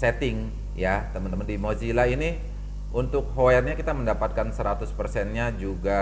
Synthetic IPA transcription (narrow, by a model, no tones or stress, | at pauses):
sɛt̪ɪŋ | jat̪əmənt̪əməndimod͡ʒilaini | unt̪ʊk̚ɦoɛrɲakit̪aməndapat̪̚kansəɾat̪ʊspərsɛnɲad͡ʒuɡa